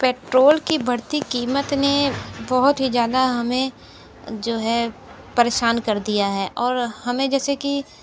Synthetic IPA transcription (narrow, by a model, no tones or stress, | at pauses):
peːʈɾoːlkibʱɐɽt̪ikiːmət̪nebɔɦʊt̪ɦid͡ʒjaːd̪aɦɐmẽ | d͡ʒoːɦɛ | pɐɾeːʃaːnkɐɾd̪ijaɦɛːʔɔːɾhɐmẽd͡ʒɛːseki